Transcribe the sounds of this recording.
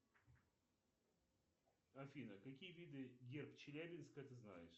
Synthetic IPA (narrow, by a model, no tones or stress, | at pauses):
ɐfʲinəkɐkʲijəvʲid̪ɨɡʲerpt͡ɕɪlʲæbʲɪnskəjət̪ɨzna̰jɪʂ